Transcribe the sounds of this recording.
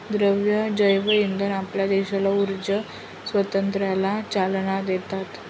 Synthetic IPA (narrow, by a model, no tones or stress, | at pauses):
d̪ɾəʋjəd͡ʑəjʋəind̪ʱənapljad̪eɕalauɾd͡ʑə | sʋət̪ənt̪ɾjalat͡ɕalɳad̪et̪at̪